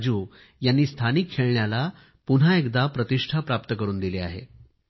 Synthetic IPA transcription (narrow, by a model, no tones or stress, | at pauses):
d͡ʑuː | janːiːst̪ʰanikʰːeɭɳjala | pun̤aekd̪apɾət̪iʂʈʰapɾap̚t̪əkəɾuːnd̪ileaɦḛ